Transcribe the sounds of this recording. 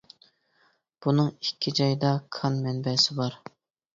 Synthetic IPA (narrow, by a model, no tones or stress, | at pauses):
b̥unɨŋikʲʰːid͡ʒɑjd̪ɑkʰɑnmɛnbɛsɪbɑɾ